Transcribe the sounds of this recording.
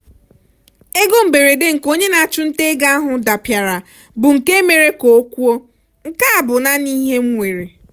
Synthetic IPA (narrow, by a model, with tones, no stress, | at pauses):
e˦ɡo˦m̩˨be˨ɾe˨de˦ŋ̩˨ko˦ɲe˦na˨a˨t͡ʃʊ˦n̩˦te˦ɡa˦a˦ɦʊ˨da˨pja˨ɾa˨ | bʊ˨ŋ̩˨ke˦me˨ɾe˦ko˨˦kʷu˦o˦ | ŋ̩˨ka˦a˨bʊ˨na˦ni˦ɦe˦ŋ̩˦ŋʷe˨ɾe˨